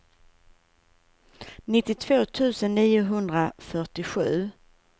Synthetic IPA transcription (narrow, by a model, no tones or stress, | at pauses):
nɪt̪ːɪt̪ʰv̥oːt̪ʰʉ̟ːsənːiːʊɦɵnd̪ɾafœʈɪɧʉ̟ː